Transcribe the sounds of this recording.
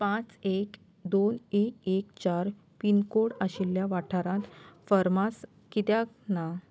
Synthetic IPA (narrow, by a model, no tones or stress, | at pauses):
pãt͡sek | d̪onekekt͡ɕaɾ | pinkoɽaɕilːjaʋaʈʰaɾãt̪fəɾmas | kit̪jakna